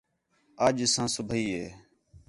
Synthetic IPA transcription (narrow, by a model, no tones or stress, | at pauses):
əːʄsãːsʊbʱiːɦeː